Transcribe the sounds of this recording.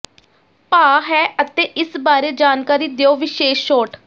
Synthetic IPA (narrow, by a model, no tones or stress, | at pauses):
paːɦɛːət̪eːʔɪsbaːɾeːd͡ʒaːnkaːɾiːd̪eoːʋɪʃeːʃʃoːʈ